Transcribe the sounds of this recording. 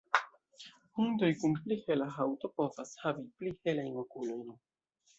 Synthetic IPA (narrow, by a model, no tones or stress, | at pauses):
hundo̞jkunplihe̞laɦawto̞po̞vashaviplihe̞lajno̞kulo̞jn